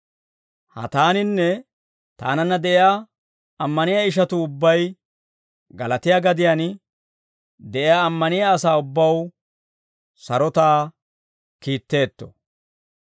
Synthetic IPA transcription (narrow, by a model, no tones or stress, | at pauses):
hɐ̰t̪aːnɪnːɛ | t̪a̰ːnɐnːɐd̪ɛʔɪjaː | ɐmːɐnɪjaɪʃ̬ɐt̪ʊʊbːɐj | ɡɐlɐt̪ɪjaɡɐd̪ɪjan | d̪ɛʔɪjaːɐmːɐnɪjaːsaːʊbːɐw | sɐɾɔt̪aː | kiːt̪ːe̞ːt̪ːɔ̥̰